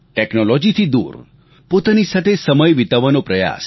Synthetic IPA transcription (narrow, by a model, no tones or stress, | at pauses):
ʈɛknolɔd͡ʒit̪ʰid̪ṵɾ | pot̪anisat̪ʰesəməjʋit̪aʋanopɾəja̰s